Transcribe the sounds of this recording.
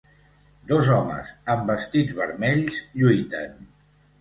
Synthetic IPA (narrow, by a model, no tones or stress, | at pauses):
d̪ɔzɔmə̰zəmbəst̪id͡zβəɾmɛʎzʎujt̪ən